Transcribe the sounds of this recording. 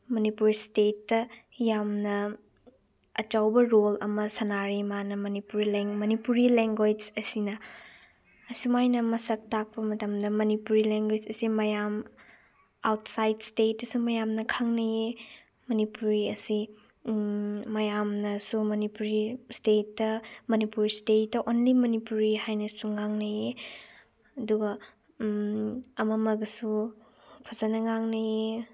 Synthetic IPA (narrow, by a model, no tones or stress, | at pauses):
mɐnipuɾstetːɐ | jamnɐ | ɐt͡ʃawbɐɾolɐmɐsɐnaɾimanɐmɐnipuɾileŋmɐnipuɾileŋɡod͡ʒɐsinɐ | ɐsumajnɐmɐsɐk̚tak̚pɐmɐtɐmdɐmɐnipuɾileŋɡwed͡ʒɐsimɐjam | awtsajdstet̚ːɐsumɐjamnɐkʰɐŋnɐje | mɐnipuɾiɐsi | mɐjamnɐsumɐnipuɾistetːɐmɐnipuɾistetːɐʔonlimɐnipuɾihajnɐsuŋaŋnɐje | ɐduɡɐ | ɐmɐmɐɡɐsu | pʰɐzɐnɐŋaŋnɐje